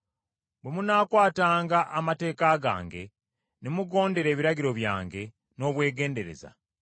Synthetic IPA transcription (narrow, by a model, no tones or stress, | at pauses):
bwe̞munaːkwaːtaːŋɡaʔamate̞ːkaɡa̰ːŋɡe̞ | nemuɡo̞ːnde̞ɾe̞ːβiɾaɟiɾo̞βja̰ːŋɡe̞ | no̞ːβwe̞ːɡe̞ːnde̞ɾe̞̰za̰